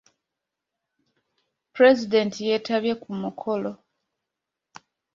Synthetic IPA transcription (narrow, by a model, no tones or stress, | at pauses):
pɾe̞zide̞ntije̞taβje̞kumukʰo̞lo̞